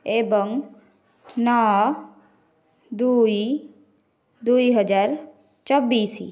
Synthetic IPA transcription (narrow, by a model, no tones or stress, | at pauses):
ebɔŋ | na | d̪ui | d̪uiɦəd͡ʒaːɾ | t͡ʃɔbiːsḭ